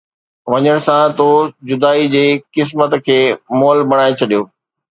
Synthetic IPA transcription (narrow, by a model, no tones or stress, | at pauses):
ʋɐɲəɽ̃̆sãt̪od͡ʑʊd̪aːid͡ʑeːkɪs̬mət̪kʰeːmɔːlbɐɽ̃aːet͡ɕʰɐɗijoː